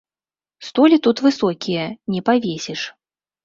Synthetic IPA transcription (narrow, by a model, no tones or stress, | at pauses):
st̪ɔlʲit̪ut̪vɨsɔkʲijɐnʲɛpavʲesʲɛʂ